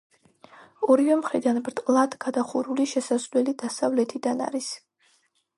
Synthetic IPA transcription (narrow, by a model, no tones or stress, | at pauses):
ɔɾivɛmχɾid̪anbɾt̪ʼlˠad̪ɡad̪aχuɾuliʃɛsaslɛlid̪asavlɛt̪ʰid̪ana̰ɾis